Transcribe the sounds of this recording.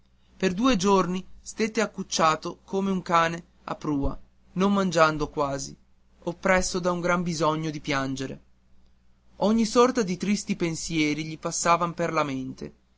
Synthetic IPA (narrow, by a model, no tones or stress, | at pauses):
perd̪uːed͡ʒornist̪et̪eakːut͡ʃːaːt̪okomeuŋkaːne | a̰pːɾuːa | nommand͡ʒand̪okwaːzi | opːɾɛsːod̪auŋɡɾambizɔɲːod̪ipjand͡ʒeɾḛ | ɔɲːisɔrt̪ad̪it̪ɾist̪ipensjɛːɾiʎipasːaːvamperlament̪ḛ